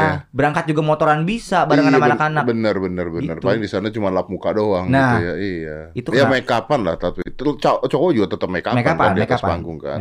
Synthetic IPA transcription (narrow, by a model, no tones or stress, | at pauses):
aabəɾaŋkat̪̚d͡ʒuɡamot̪oɾanbisabaɾaŋanamanakanabənərbənərbənərpaliŋdisanat͡ʃumanlap̚mukadoaŋnait̪ujaijait̪ujamaikapanla̰ht̪apit̪t͡ʃat͡ʃawɔd͡ʒuɡat̪ət̪əp̚majkamakanpaaniat̪asa̰ŋɡʊŋka̰n